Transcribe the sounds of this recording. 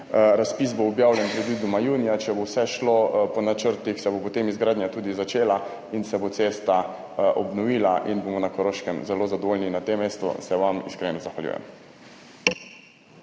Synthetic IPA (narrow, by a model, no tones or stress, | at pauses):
ɾaspisboɔbjaːwljɛnpɾɛd̪ʋiːd̪umajuːnijat͡ʃɛbowsɛʃlopɔnat͡ʃəɾt̪ixsɛbopɔt̪emizɡɾaːd̪njat̪uːd̪izat͡ʃeːla | insɛbot̪sest̪a | ʔɔbnɔʋiːlaʔinbomɔnakɔɾoʃkɛmzɛlozad̪ɔʋolninat̪emːeːst̪ɔ̰sɛʋamḭskɾenɔzaxʋaljṵːjɛ̰m